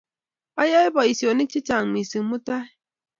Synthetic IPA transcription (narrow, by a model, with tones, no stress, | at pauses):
a˦ja˦e˦bɔ˨i˨si˨o˨ni˦t͡ʃi˦t͡ʃa˨ŋ˨mi˨sɨ˨mu˦ta˦